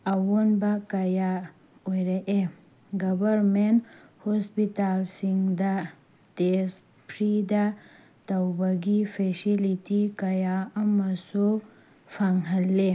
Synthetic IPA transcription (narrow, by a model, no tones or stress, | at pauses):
ɐwunbɐkɐja | ojɾaʔe | ɡɐbɐɾmenthospitalsiŋdɐ | tes | pʰɾidɐ | tɐwbɐɡipʰesilitikɐjaɐmɐsu | pʰaŋɦɐlːe